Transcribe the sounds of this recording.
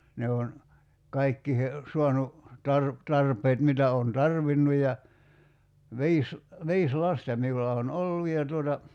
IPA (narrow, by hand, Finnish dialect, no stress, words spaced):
ne on kɑikːiːhe suɑnu tɑr tɑrpˑeːt mitæ oːn tɑrʋinːu jɑ ʋi̞is ʋiːs lɑstɑ miulːɑ on olːu jɑ tuotɑ